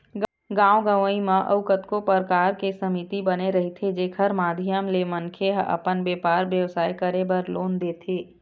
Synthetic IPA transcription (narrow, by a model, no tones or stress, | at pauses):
ɡ | ɡãːwoɡəʋəimãʔə̰ʋʊkət̪kopəɾkaːɾkesəmit̪ibəneɾɐɦit̪ʰed͡ʒeːkʰəɾmaːd̪ʱɪjəmlemənkʰeɦɐ̰pənbeːpaːɾʋjəʋsaːikəɾebəɾloːnd̪eːt̪ʰeː